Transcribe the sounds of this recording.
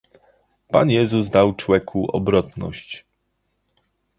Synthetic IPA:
pa̰njɛzuzd̪awt͡ʂwɛkʰuʔɔ̰bɾɔt̪nɔ̰ɕt͡ɕ

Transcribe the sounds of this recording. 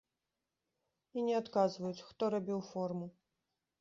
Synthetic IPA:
inʲɛat̪kazvɐjut͡sʲxt̪ɔɾabʲiwfɔrmu

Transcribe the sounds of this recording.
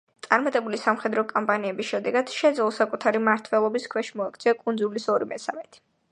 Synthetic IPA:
t̪sʼaɾmat̪ʼɛbulisamχɛd̪ɾɔkʼɔmpʼaniɛbisʃɛd̪ɛɡad̪̥ʃɛd̪zɛlˠɔsakʼut̪ʰaɾimaɾt̪ʰwɛlˠɔbiskʰwɛʃimɔɛkʰt̪sʰiakʼund̪zulisɔɾimɛsa̰mɛt̪ʰʼi̥

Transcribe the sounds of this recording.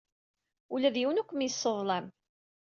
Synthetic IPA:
ulæðjiwnækʷːəmjəsˤːəðˤlæm

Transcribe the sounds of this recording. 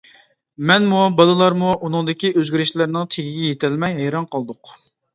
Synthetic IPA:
mɛnmubɑlˠɨlˠɑɾmuʔunɨŋd̪ɪkʲiʔøzɡʲiɾɪʃlɪɾnɪŋt̪ʰeɡʲiɡʲɛjet̪ʰɪlmɛjɦɛjɾɑnqʰɑlˠd̪ʊq

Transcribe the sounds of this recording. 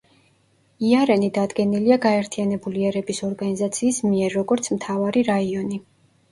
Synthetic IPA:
iaɾɛnid̪ad̪ɡɛniliaɡaɛɾt̪ʰianɛbuliɛɾɛbisɔɾɡanizat̪sʰiːsmiɛɾːɔɡɔɾt̪sʰmt̪ʰavaɾiɾaiɔni

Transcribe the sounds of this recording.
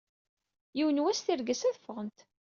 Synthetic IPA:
jiwənwæsθiɾɡəsæðəfːəʁənt̪

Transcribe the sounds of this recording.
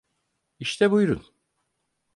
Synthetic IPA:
iʃt̪ʰɛbujɾun

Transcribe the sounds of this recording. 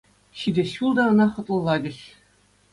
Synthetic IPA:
ɕidʲɘ̆ɕulˠd̪ɑɤ̆nɑχɤ̆t̪lˠɤ̆lˠːɑdʲɘ̆ɕ

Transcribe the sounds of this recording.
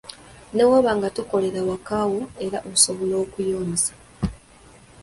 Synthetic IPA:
newoβaŋɡatuko̞le̞ɾawakawoe̞ɾaʔouso̞βolo̞ːkujo̞ːnisḁ

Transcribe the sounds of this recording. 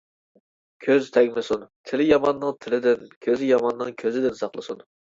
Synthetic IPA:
kʲʰøzt̪ʰɛŋʲlɪsunt̪ʰɪlɪjɑmɑnːɨŋt̪ʰɪlɪd̪ɪnkʲʰøzɪjɑmɑnːɨŋkʲʰøzɪd̪ɪnsɑχlˠɨsun

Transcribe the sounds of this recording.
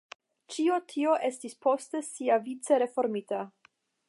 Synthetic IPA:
t͡ʃiotʰio̞ʔe̞stispʰo̞ste̞siavit͡se̞ɾe̞fo̞ɾmita

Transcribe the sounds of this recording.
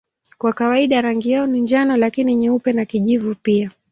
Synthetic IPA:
kwakawaiɗaɾaŋɡijaɔniɲd͡ʒanɔlakiniɲɛupɛnakiʄivupia

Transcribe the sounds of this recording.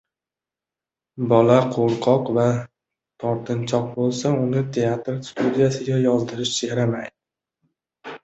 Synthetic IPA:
bɒlaqʰoɾqʰɒqva | t̪ʰɒɾt̪ʰɪnt͡ʃʰɒq̚bolˠsaʊnɪt̪ʰe̞at̪ɾst̪ud̪ijasɪɡʲajɒzd̪ɪɾɪʃsɾamajd̪ɪ

